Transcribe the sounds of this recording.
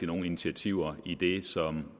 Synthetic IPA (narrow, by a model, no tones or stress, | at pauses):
əno̝ːn̩init͡sʰiæt͡sʰiʊ̰ɐid̥e̝sɒ̽m